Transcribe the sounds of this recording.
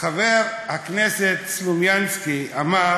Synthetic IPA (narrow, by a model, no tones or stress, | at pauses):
χaveʁhakneset̪slumjanskiama